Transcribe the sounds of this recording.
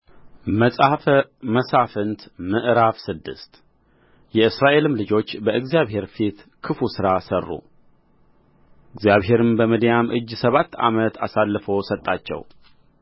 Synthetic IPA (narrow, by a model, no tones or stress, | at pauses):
mʼməsafɨnt̪mɨʔɾafsɨd̪ːɨ̰st̪ | jɛɨsɾaʔe̞lɨmlɨd͡ʒo̞t͡ʃːbəɨɡzijaβɦe̞ɾfit̪ | kʰɨfusɨɾasərːṵ | ʔɨɡzjaβɦe̞ɾɨmbəməd̪jamʔɨd͡ʒːsəβat̪ːa̰mət̪a̰salːɨfo̞sət̪ʼːat͡ʃːɛ̰w